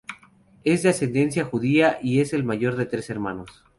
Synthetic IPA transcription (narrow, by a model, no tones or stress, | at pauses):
e̞zðease̞nd̪e̞nsjaxuðiaʔie̞se̞lmaʝo̞ɾðe̞t̪ɾe̞se̞ɾmãnos